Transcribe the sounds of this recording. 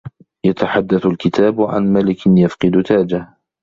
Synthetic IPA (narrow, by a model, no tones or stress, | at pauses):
jat̪aħad̪ːaθalkɪt̪ʰaːbʕa̰nmalɪkjafqɨd̪ʊt̪aːd͡ʒah